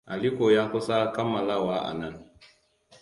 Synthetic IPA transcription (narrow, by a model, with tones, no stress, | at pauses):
ʔa˨li˦ko˨ja˦ŋku˦sa˦ka˦mːa˨la˦wa˦ʔa̰˨na˦˨n